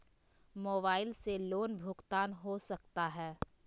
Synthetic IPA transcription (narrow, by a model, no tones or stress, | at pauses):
moːbaːɪlseloːnbʱʊɡt̪aːnɦosɐkt̪aɦɛː